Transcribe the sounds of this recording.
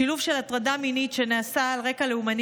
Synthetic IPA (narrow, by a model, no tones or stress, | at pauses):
ilufʃe̞latʁadaminitʃe̞naːsaːlʁe̞kaleuman